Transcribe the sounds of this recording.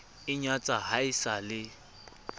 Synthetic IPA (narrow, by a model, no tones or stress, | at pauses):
ɪɲat͡sʼaɦaɪsalɪ